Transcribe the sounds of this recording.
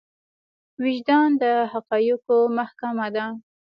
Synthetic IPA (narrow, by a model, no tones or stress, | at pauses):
wɪʒd̪ɑnd̪əhaqɑjukomahkamad̪a